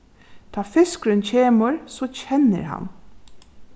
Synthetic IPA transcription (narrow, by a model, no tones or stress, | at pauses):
t̪ʰɑːfɪskɾʏncʰeːməɹsoːcɛnə̰ɾɦa̰n